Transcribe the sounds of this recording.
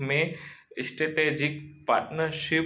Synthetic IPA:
meisʈeʈed͡ʑik̚pa̰ɾʈnəɾʃi

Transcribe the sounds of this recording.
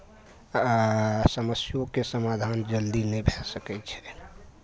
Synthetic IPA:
səməsjokesəmad̪ʱand͡ʒəld̪inebʱesəkɛt͡ʃʰɛ̥

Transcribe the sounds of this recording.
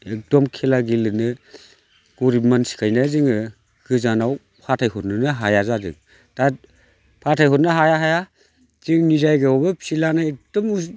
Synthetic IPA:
ek̚dɔmkʰelaɡilɯnɯ | ɡ̥ɔɾipmansi̥kʰajnazɯŋɯ | ɡɯzanaw | pʰatʰajɦɔtnɯnɯɦajazazɯ̰ŋ | ta | pʰatʰajhɔt̚nɯɦajaɦaja | z̥ɯŋnizajɡɯɔbɯpsilanaek̚d̥ɔmu

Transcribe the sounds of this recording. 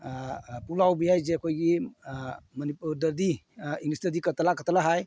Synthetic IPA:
pulawbijajzeakʰojɡi | mənipudəɾd̪i | iŋnisdəɾd̪ikətalakətalaɦaj

